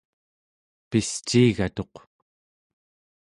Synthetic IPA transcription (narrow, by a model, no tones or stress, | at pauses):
pist͡ʃːiːɣat̪o̞q